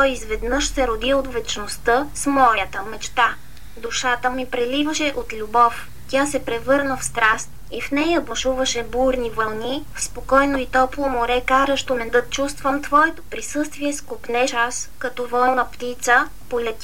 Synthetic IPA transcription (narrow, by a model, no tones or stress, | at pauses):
t̪ɔjizvɛd̪nɤʃsɛɾod̪iot̪vɛt͡ʃnost̪əsmɔɾjət̪əmɛt͡ʃt̪a | d̪uʃat̪əmipɾɛlivəʃɛʔot̪lʲubɔf | t̪ʲasɛpɾɛvɤɾnəfst̪ɾast̪̚ | ifnɛjəbɐʃuvəʃɛbuɾnivɐlˠnifspokɔjnoit̪ɔplˠomoɾɛkaɾəʃt̪onɛd̪ɤt̪̚t͡ʃust̪vəmt̪vɔɛt̪o̥pɾisɤst̪viɛskopnɛʃaskɐt̪ɔvɔɛnəpt̪it̪sə | polʲɛt̪ʲi